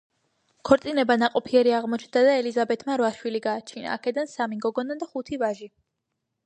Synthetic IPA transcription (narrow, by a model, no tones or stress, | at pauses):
kʰɔɾt̪sʼinɛbanaqʼɔpʰiɛɾiaʁmɔt͡ʃʰnd̪ad̪aɛlizabɛt̪ʰmaɾvaʃwiliɡaːt͡ʃʰina̰ːkʰɛd̪ansamiɡɔɡɔnad̪aχut̪ʰivaʒi